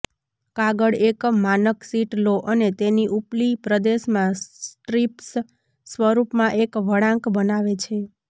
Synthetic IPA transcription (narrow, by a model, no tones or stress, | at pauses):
kaɡəɽekmanəksiʈloʔənet̪eniʔuplipɾəd̪eʃmãsʈɾips | sʋəɾupmãʔekʋəɽãŋkbənaʋet͡ʃʰe